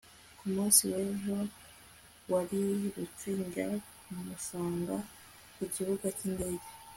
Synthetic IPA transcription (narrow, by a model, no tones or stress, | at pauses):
kumuːnsiweːɦo | waɾiɾut͡ʃiːŋɡa | mumuʃaːŋɡa | kuɟiβuɡaciːndeɟe